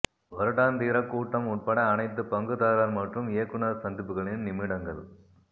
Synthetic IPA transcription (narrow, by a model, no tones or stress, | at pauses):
ʋɐɾɯɽaːnd̪iːɾɐkːuːʈːɐmʊʈ̚pɐɽɐːnɐɪt̪̬ːɯpɐŋɡɯðaːɾaːɾmɐʈrɯmɪjɐkːɯɳɐɾsɐnd̪ɪpːɯɣɐɭɪnnɪmɪɽɐŋɡɐɭ